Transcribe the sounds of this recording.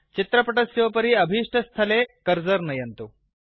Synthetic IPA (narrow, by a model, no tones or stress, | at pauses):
t͡ɕit̪ɾəpəʈəsiʋpəɾiːəbʱiʂʈʰəst̪ʰɐlekəɾd͡zəɾnɐjɐnt̪o